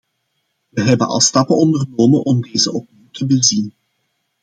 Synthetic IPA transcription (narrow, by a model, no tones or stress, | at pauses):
ʋəɦɛbənʔɑ̰lˠstɑpənɔndərnoːmənʔɔmdejzəʔɔp̚niwtʰəbəlzin